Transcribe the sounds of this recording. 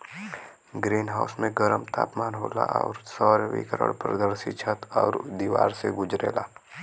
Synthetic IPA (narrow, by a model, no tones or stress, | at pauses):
ɡɾiːnɦaːʊsmẽɡəɾəmt̪ʰaːpmaːnɦoːlaʔɔːɾsɔːɾʋikəɾə̰ɽpɾəd̪əɾsɪt͡ʃʰət̪ɔːɾd̪iːʋaːɾseɡʊd͡ʒɾeːlaː